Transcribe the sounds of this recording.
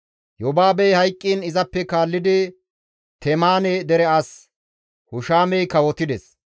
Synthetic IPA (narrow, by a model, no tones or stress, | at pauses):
jɔbaːbɛjhɐjkʼːiːnɪzɐpːɛkaːlːɪd̪ɪ | t̪ɛmaːnɛd̪ɛɾɛɐs | hʊʃaːmɛjkɐwɔt̪ɪd̪ɛs